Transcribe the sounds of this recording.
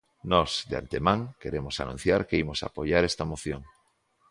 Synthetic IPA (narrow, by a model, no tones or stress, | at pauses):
nɔzd̪ea̰nt̪emãŋkeɾemosa̰nṵ̃n̟θjaɾkeimosa̰poʝaɾest̪amoθjoŋ